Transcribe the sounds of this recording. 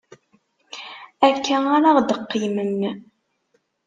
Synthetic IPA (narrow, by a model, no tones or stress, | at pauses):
ækːæaɾaʁd̪əqːəjmənː